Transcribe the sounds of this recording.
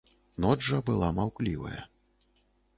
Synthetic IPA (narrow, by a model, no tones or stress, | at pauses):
nɔʐɐbɨlˠamawklʲivɐ̰jɐ̰